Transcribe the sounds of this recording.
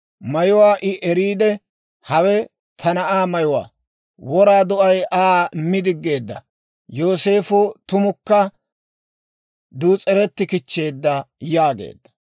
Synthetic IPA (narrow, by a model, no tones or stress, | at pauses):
mɐjʊwaːʔɪʔɛɾiːd̪ɛ | hɐwɛ | t̪ʰɐnɐʔaːmɐjʊwa̰ː | wɔɾaːd̪ɔʔɐjʔaːmɪd̪ɪɡːe̞ːd̪ːɐ̰ | jo̞ːse̞ːfʊt̪ʊmʊkːɐ | d̪uːt͡sʼɛɾɛt̪ːɪkɪt͡ʃːe̞ːd̪ːɐjaːɡḛːd̪ːɐ̥